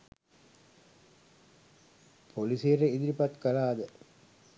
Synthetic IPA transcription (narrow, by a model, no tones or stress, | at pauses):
pʰolisiɾeid̪iɾipɐt̪kɐlaːd̪ə